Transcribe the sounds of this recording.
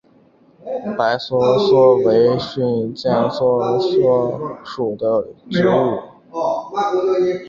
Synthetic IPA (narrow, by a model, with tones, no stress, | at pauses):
pa˧˥ɪswɔ˥swɔ˥we˧˥ɪɕy˥˩nt͡ɕjɛ˥˩nswɔ˥swɔ˥ʂu˨˩d̪ə˦ʈ͡ʂɻ̩˥u˥˩